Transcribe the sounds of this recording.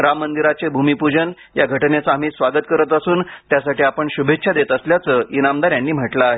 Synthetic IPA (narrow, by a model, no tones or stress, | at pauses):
ɾamːənd̪iɾat͡sebʱumipud͡ʑən | jaɡʱəʈnet͡saːm̤iːsʋaɡət̪kəɾət̪əsuːnt̪jasaʈiːapəɳɕubʱetːɕʰad̪et̪əsljat͡səinamd̪aɾjanːiːm̤əʈlaːɦe